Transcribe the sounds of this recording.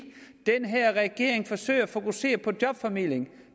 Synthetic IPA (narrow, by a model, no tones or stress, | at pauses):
d̥enɦæɐ̰ʁɛɡ̥e̝ɐ̰e̝ŋfɒ̽sø̰ɪ̰ɐfo̝kuse̝̰ːɐpʰɒ̽d̥jɒ̽b̥fɒmil̰eŋ